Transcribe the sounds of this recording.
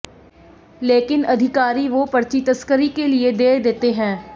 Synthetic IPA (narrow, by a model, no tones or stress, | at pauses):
leːkɪnɐd̪ʱɪkaːɾiʋoːpəɾt͡ʃit̪əskəɾikelɪed̪eːd̪eːt̪eɦɛ̃ː